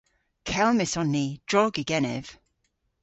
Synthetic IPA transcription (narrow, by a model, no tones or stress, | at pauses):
kʰɛlˠmɪsɔnːid̥ɹɔːɡiɡɛnɛ̰v̥